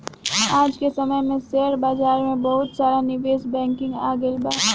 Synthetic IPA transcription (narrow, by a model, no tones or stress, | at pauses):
aːd͡ʒkesɐməjmẽseːəɾbaːzaːɾmẽbɐɦʊt̪saːɾanɪʋeːsbɛ̃ːŋkɪ̃ŋɡaːɡɪlbaː